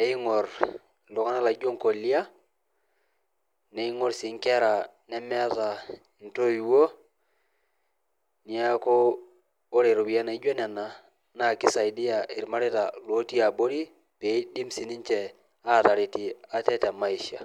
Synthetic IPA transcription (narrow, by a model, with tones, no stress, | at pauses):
e˨i˦ŋɔ˨r | lu˨ŋa˦na˦la˨ɟo˦ŋko˨li˦a˦ | ne˨i˦ŋɔ˦ɾsi˨ŋkɛ˦ɾa˨ | nɛ˦mɛ˦a˦ta˨ | n̩˨to˦i˨wo˦ | ni˨a˦koː˦ | ɾe˨ɾu˨wi˨a˦na˨i˦d͡ʒɛ˦nɛ˨na˨ | na˦˨ki˦sa˨i˨di˦a˨ʔi˨ɾma˦ɾe˦ta˨lo˦ti˦a˨bo˦ɾi˦ | pe˨˦di˦msi˨ni˦nt͡ʃɛ˨ | a˦˨ta˨ɾi˨ti˨a˨tɛ˦tɛ˨ma˦i˨ʃa̰˨